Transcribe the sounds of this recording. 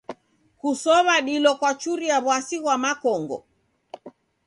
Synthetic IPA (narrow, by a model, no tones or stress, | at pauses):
kusɔβaɗilɔkwat͡ʃuɾiaβwasiɣwamakɔŋɡɔ̰